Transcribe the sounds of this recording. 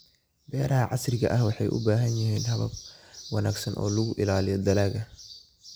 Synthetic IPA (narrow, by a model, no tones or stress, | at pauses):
bɛːɾɐɦɐʕɑsrɪɣɐʔɐhwɑħɑjʔʊ̰baːɦɐnjɪhiːnɦɐβɐ̰b̚wɑnaːɡsɐnʔɔ̰ːlʊɣʊʔɪlaːlɪjɔd̪ɐlaːɣɐ